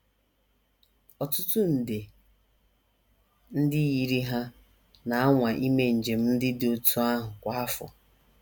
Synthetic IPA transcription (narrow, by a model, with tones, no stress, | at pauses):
ɔ˨tʊ˦tʊ˦n̩˨de˨ | n̩˦dɪ˦ji˨ɾi˦ɦa˦ | na˨a˦ŋʷa˨ʔi˦me˨n̩˨d͡ʒe˨m̩˦n̩˦dɪ˦dɪ˨o˨tʰu˦a˦ɦʊ˨kʷa˨˦a˦fɔ̰˨